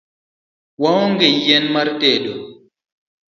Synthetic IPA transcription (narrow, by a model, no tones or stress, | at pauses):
wawɔŋɡɛjɛnmaɾtɛːɗɔ